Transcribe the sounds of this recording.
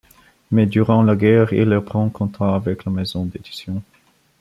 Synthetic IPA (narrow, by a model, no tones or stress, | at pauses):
mɛd̪yʁɑ̃laɡɛʁḭlːœʁpχɑ̃kɔ̃t̪aːvɛklamɛzɔ̃d̪ed̪isjɔ̃